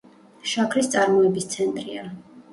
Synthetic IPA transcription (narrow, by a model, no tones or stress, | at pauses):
ʃakʰɾist̪sʼaɾmɔɛbist̪sʰɛnt̪ʼɾia